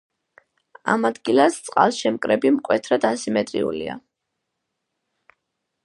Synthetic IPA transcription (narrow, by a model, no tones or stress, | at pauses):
a̰mad̪ɡilˠast̪sʼqʼa̰lˠʃɛmkʼɾɛbimkʼwɛt̪ʰɾad̪asimɛt̪ʼɾḭṵlia̰